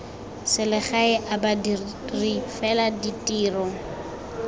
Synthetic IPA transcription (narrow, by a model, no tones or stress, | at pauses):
sɪlɪχaɪʔabadirifɛladitʼiːrɔ